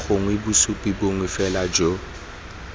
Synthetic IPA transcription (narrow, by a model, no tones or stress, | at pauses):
ɣʊŋwebʊsupʼiboŋwɪfɛlad͡ʒo